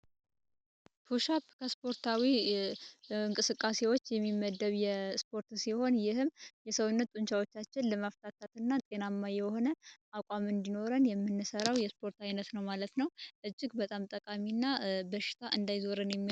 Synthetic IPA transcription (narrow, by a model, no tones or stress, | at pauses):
p̪ʰuʃapkʰəspʰo̞ɾt̪ʰawi | ɨŋkʼɨsɨkʼːase̞wo̞t͡ʃːjɛmːimːəd̪ːəβjɛspʰo̞ɾt̪siho̞njɪhɨmjɛsəwʊnːət̪ːʼuɲt͡ʃawo̞t͡ʃːat͡ʃːɪnləmaft̪ʰat̪ʰːat̪ɨnːat̪ʼe̞namːajɛho̞nəʔakʷʼamɨnd̪ino̞ɾənjɛmːɨnːɨsəɾawjɛspʰo̞ɾt̪ajnət̪nəwmalət̪nəwʔɨd͡ʒːɪɡbət̪ʼamt̪ʼəkʼaminːabəʃɪ̥t̪ʰaʔɨnd̪ajzoɾənjɛmːi